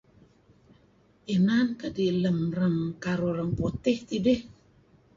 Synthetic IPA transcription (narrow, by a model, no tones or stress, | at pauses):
inankədiləmrəŋkaɾoɾəŋpot̪ɛht̪ideh